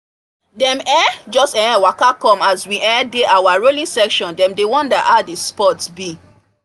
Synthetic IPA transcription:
dɛ̃mɛ̃d͡ʒɔstɛ̃wakakɔ̃maswiʔɛ̃deʔawaɹolĩŋsɛkʃɔ̃ndɛ̃mdewɔ̃nda̰ʔadespɔtsbi

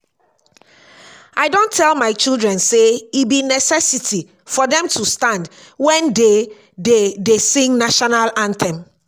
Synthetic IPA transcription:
ʔaɪdõntʰɛlmaɪt͡ʃildɹɛ̃nseibinɛsɛsitʰi | fɔdɛ̃mtʰustãndwɛ̃nde | dedesĩŋnaʃɔnalãntʰɛ̃m

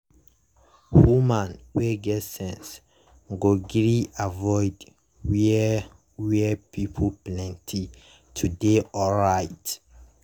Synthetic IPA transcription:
humãnwɛɡɛtsɛ̃ns | ɡoɡɹiavɔjd | wi | wɛpʰipʰɔplɛ̃ntʰi | tʰudeɔɹajt

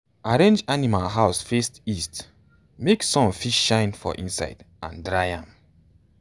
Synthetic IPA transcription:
aɹẽnd͡ʒanimalɦaʊsfestist | meksɔ̃mfiʃʃãɪ̃nfɔ̰ʔḭ̃nsa̰ɪdʔã̰ndɹaɪã̰m

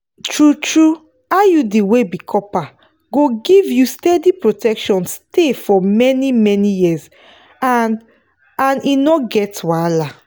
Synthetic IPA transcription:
tɹutɹu | ajudewebikʰɔpa | ɡoɡivjustɛdipɹotɛkʃɔ̃nstʰefɔmɛnimɛnijis | a | ãninɔɡɛtwala

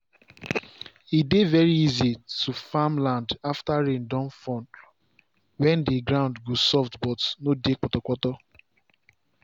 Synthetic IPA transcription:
idevɛɹiizitufamlãndaftaɹẽndɔ̃nfɔ̃nd | wɛ̃ndiɡɹãʊ̃ndɡosɔftbɔtnodek͡pɔtɔkʷɔtɔ

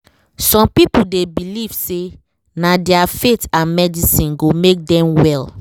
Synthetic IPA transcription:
sɔ̃mpipuldebiliv̥se | nadɛafetãnmɛdisĩnɡomek̚dɛ̃mwɛl

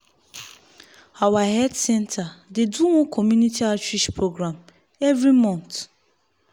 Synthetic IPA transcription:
awaɦɛdsɛ̃ntʰadeduwɔ̃kʰɔmjunitʰiat͡ʃɹiʃpɹoɡɾam | ɛvɹimɔ̃nt

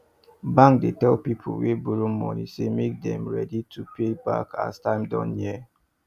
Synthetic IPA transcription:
bãŋk̚detɛlpipʰo̰webuɹumɔ̰nḭsemek̚dɛ̰̃mɹɛ̰ditʰupeba̰kʰa̰stãɪ̃mdɔ̰̃njɛ

